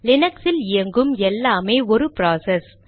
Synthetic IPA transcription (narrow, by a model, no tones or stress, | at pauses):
lɪnɐksɪlɪjɐŋɡɯmɛlːaːmeːɔɾɯpɾaːsɛs